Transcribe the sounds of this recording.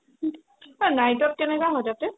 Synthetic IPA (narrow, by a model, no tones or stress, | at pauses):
anajtɔp̚kɛnɛkaɦɔtapɛ